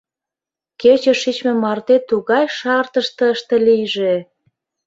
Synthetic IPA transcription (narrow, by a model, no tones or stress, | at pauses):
ket͡ɕeʃit͡ɕmĕmɑrt̪et̪ːuɣɑjʃɑrt̪əʃt̪ə̆əʃt̪ĕlijʒe